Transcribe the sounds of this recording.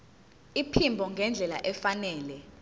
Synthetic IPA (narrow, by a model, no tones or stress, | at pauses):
ipʰimbʱɔŋɡʱɛnd͡ɮʱɛla̰ʔɛfanɛːlɛ